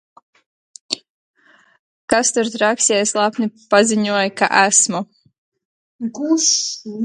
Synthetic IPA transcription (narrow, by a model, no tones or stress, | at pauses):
kast̪uɾt̪ɾaksʲɛɛjslˠapnʲipaziɲuɔjka̰ʔæsmu | ɡs